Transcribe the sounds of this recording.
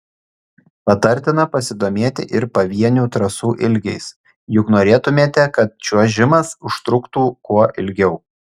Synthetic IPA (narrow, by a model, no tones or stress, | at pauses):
pɐt̪ɐɾʲt̪ʲɪnɐpɐsʲɪd̪oːmʲeːt̪ʲɪ̰ʔɪɾpɐʋʲiɛnʲuːt̪ɾɐsuːʔɪlʲɡʲɛɪs | jʊknoːɾʲeːt̪ʊmʲeːt̪ʲɛkɐt̪̚t͡ʃʲuɔʒʲɪmɐsʊʃt̪ɾʊkt̪uːkuɔʔɪlʲɡʲɛʊ